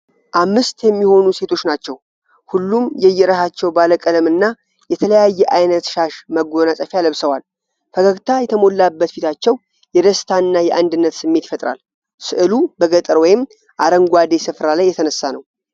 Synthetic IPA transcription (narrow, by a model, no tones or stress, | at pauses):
ʔamːɨst̪jɛmːiho̞nuse̞t̪ʰo̞t͡ʃːnat͡ʃːɛw | hulːumjɛjːɛɾəhat͡ʃːɛwbaləkʼələmɨnːa | jɛt̪ʰələjajːɛʔajnət̪ʃaʃməɡo̞nasʼəfialəβsəwal | fəɡəɡt̪ʰajɛt̪ʰəmo̞lːabːət̪fit̪ʰat͡ʃːɛw | jɛd̪əst̪ʰaɨnːajɛʔand̪ɨnːət̪sɨmːe̞t̪i̥fət̪ʼɾa̰l | sɨʔɨlubəɡət̪ʼɨɾwɔjɪm | ʔaɾəŋɡʷad̪e̞sɨfɾalajːɛt̪ʰənəsːanəw